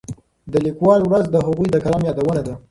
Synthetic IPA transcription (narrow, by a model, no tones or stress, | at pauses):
d̪əlikwɑlwɾazd̪əɦaɣujd̪əkalɑmjɑd̪awənad̪a